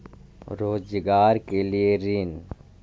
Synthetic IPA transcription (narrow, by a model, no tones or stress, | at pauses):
ɾoːd͡ʒɡaːɾkelieɾiːn